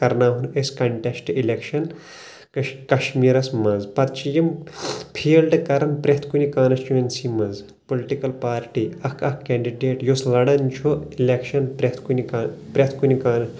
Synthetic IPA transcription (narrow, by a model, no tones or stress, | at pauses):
kɐɾnaːɦuneskɐɳʈesʈilekʃɐn | kkɐʃmiːɾɐsmɐzpɐt̪t͡ʃijɐmpʰiːlɖɨkɐɾɐnpɾet̪ʰkunikaːnst͡ʃuʋensimɐz | poliʈikɐlpaːɾʈiɐkʰɐkkːeːɳɖiɖeːʈjoslɐɽɐnt͡ʃʰoilekʃɐnpɾet̪ʰkunikːpɾʲet̪ʰkunikaːnɐs